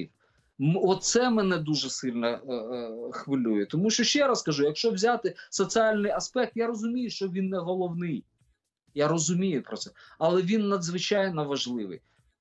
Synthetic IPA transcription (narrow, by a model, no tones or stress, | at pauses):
ɔt̪sɛmɛnɛd̪uʒɛsɪlʲnɐ | xʋɪlʲujɛt̪ɔmuʃt͡ʃɔʃt͡ʃɛɾɐskɐʒujɐkʃt͡ʃɔwzʲat̪ɪsɔsʲialʲnɪjɐspɛk̚t̪jaɾɔzʊmʲijʊʃt͡ʃɔʋʲinːɛɦɔlˠɔwnɪj | jaɾɔzʊmʲijʊpɾɔtsɛɐlˠɛʋʲinːɐd̪zʋɪt͡ʃajnɔʋɐʒlˠɪʋɪ̰j